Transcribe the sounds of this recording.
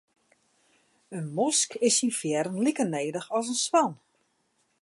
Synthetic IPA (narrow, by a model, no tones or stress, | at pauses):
ənmɔskʰɪsinfjɛɾənlikərneːdəxɔs̬ənswan